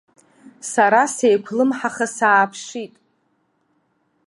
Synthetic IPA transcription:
saɾasejkʷʰlɨmħaχasaːpʰʂitʼ

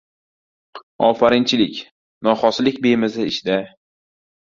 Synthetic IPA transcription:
ɒfaɾɪnt͡ʃʰɪlɪkʲ | nɒχɒslɪk̚ʲbemɪzɪɪʃd̪a

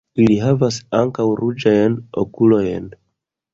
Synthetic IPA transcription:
iliɦavasaŋkawɾud͡ʒajno̰kulo̞jn

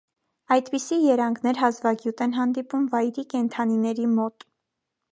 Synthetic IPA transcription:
ɑjd̪pisijɛɾɑŋɡnɛɾɦɑzvɑɡjut̪ɛnɦɑnd̪ipumvɑjɾikɛnt̪ʰɑninɛɾimɔt̪

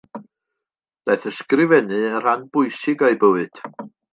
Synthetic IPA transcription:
d̥ajθəskrɪvɛnɨər̥anbʊjsɪɡajbəwɨd̥

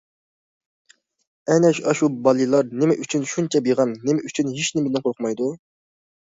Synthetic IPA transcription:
ɛnɛʃɑʃubɑlˠɨlˠɑɾnɪmɪʔyt͡ʃʰynʃunt͡ʃʰɛbjeʁɑnːemɪyt͡ʃʰynɦiʃnɪmɪd̪ɪnqʰoɾqmɑjd̪u

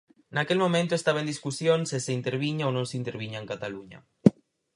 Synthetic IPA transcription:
nakelmõmẽnt̪oest̪aβaend̪iskusjonseseint̪eɾβ̞iɲaonõnseint̪eɾβiɲaeŋkat̪aluɲa̰

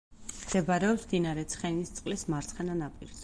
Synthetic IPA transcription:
d̪̥ɛbaɾɛɔpsd̪inaɾɛt̪sʰχɛnist̪sʼqʼlismaɾt̪sʰχɛnanapʼiɾs

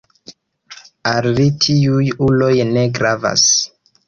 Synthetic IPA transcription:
allitʰiujulo̞jne̞ɡɾava̰s

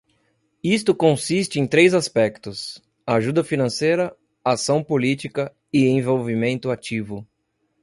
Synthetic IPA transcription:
ist̪ʊkõsist͡ʃɪẽj̃t̪ɾejzaspɛkt̪ʊs | aʒud̪ɐfinɐ̃sejɾɐ | asɐ̃w̃polit͡ʃikɐ | ɪẽj̃vowvimẽnt̪ʊat͡ʃivʊ

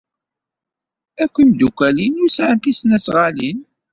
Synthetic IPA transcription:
ækʷːimd̪ukʷælinusʕənt̪isnæsʁalin

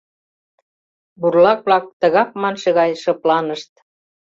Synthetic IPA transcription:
burlɑk̚βlɑk̚t̪ə̆ɣɑp̚mɑnʃĕɣɑjʃɤ̆plɑnəʃt̪̚

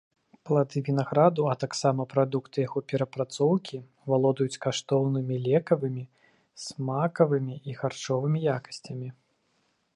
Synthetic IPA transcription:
plˠad̪ɨvʲinaɣɾad̪uɐt̪aksamɐpɾad̪ukt̪ɨjaɣɔpʲɛɾɐpɾat̪sɔwkʲi | valˠɔd̪ɐjut͡sʲkaʂt̪ɔwnɨmʲilʲɛkɐvɨmʲi | smakɐvɨmʲiiɣart͡ʂɔvɨmʲijakɐ̥sʲt͡sʲɐmʲi

